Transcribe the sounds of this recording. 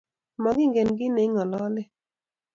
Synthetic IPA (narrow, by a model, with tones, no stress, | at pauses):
mɔ˨ɡɪ˦ŋɡɛ˨nɡɪ˦ne˨˦ŋɔ˨lɔ˦lɪ˦